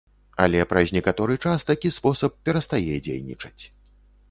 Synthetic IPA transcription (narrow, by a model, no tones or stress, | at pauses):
ɐ̰lʲɛpɾɐzʲnʲɛkat̪ɔɾɨt͡ʂast̪akʲispɔsɐp̚pːʲɛɾɐst̪ajɛd͡zʲḛjnʲḭt͡ʂɐ̥t͡sʲ